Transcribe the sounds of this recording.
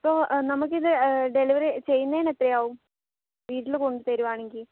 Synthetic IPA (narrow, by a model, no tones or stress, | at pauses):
ɐpːo̞ːnɐmuk̬ːɨiðɨɖe̞liʋɐɾet͡ɕe̞jːunːɐðiːnet̪rɐjaːʋum | ʋiːʈːilko̞ɳɖɨt̪ɐɾuʋaːɳeŋɡil